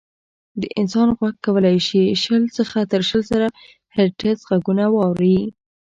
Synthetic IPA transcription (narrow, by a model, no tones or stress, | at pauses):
d̪əʔɪnsɑnɣwaɡkːawəlajʃiʃəlsəxat̪əɾʃəlzaɾa | heɾʈasɣaɡunawɑwɾi